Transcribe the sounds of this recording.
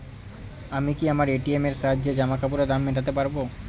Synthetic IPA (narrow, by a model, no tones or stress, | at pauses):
amikiamaɾeʈiemeɾʃaɦaːd͡ʑed͡ʑamakapuɾad̪amːeʈat̪epaɾbo